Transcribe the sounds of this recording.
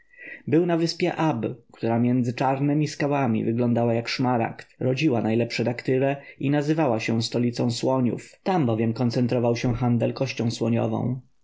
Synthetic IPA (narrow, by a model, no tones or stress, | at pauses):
bɘwnavɘspʲjɛʔabkt̪uɾamʲjɛnd̪zɘt͡ʂaɾnɛmʲiskawamʲḭvɘɡlɔnd̪awajakʂmaɾa̰kt̪ɾɔd͡ʑiwanajlɛpʂɛd̪akt̪ɘɾɛinazɘvawaɕɛst̪ɔlʲit̪sɔ̃swɔɲṵft̪ambɔvʲjɛmkɔnt̪sɛnt̪ɾɔvawɕɛxand̪ɛlkɔɕt͡ɕɔ̃w̃swɔɲɔ̰vɔ̰̃w̃